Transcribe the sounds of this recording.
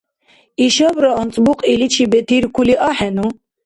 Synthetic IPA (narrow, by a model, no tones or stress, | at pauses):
iʃabɾɔːnt͡sʼbuqʼilit͡ʃʰibɛt̪ʰiɾkʰuliʔaħɛnu